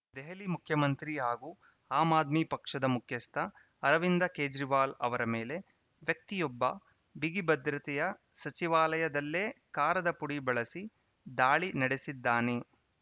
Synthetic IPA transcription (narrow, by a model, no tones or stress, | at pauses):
d̪ɛɦɐlimukʰjɐmɐnt̪ɾiɦaːɡuː | aːmaːd̪miːpɐkʂɐd̪ɐmukʰjɐst̪ʰɐ | ɐɾɐʋind̪ɐkeːd͡ʒɾiʋaːlɐ̰ʋɐɾɐmeːle̞ | ʋjɐk̚t̪ijɔbːɐ | biɡibɐd̪ɾɐt̪ɛjɐsɐt͡ʃiʋaːlɐjɐd̪ɐlːeːkaːɾɐd̪ɐpuɽibɐɭɐsi | d̪aːɭinɐɽesid̪ːaːne